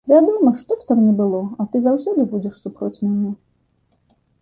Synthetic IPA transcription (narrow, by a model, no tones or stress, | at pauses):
vʲad̪umɐʂt̪ɔpt̪amnʲɛbɨlˠɔɐt̪ɨzawsʲɔd̪ɨbud͡zʲɛʂsupɾɔt͡sʲmʲanʲɛ